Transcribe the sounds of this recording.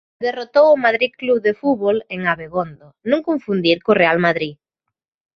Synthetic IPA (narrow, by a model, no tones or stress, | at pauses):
d̪erot̪owʊmaðɾiðkluβðefuβoleŋaβeɣond̪onõŋkoɱfund̪iɾkʊrealmaðɾi